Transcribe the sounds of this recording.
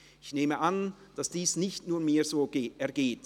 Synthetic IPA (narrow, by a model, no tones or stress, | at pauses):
ʔɪçneːməʔan | d̥asd̥iːsnɪçtnuːɐmiːzoːɡeʔɛɐɡeːt